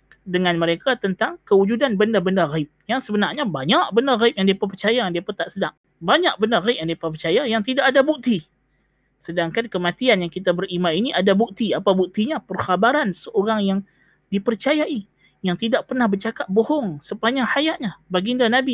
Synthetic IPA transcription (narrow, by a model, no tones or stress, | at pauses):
dəŋanməɾekat̪ənt̪aŋkəwud͡ʒudanbəndabəndaɣaɪp̚jaŋsəbənarɲabaɲak̚bəndaɣaip̚jaŋdeapap̬ərt͡ʃajandiapat̪aʔsədaŋ | baɲak̚bəndaɣaip̚jaŋdiepapərt͡ʃajajaŋt̪idaʔadabuk̚t̪i | sədaŋkankəmat̪ianjaŋkit̪abərimainiʔadabuk̚t̪iapabuk̚t̪iɲapərxabaɾansəʔoɾaŋjaŋ | dipərt͡ʃajaʔi | jaŋt̪idaʔ̚pərnahbərt͡ʃakat̪̚boɦɔŋsəpaɲahajaʔɲabaɡindanabi